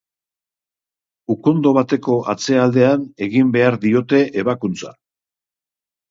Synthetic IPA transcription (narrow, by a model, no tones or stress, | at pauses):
uko̞nd̪o̞β̞at̪e̞ko̞ʔat͡se̞ald̪e̞ane̞ɣimbe̞aɾðio̞t̪e̞ʔeβakunt͡sa̰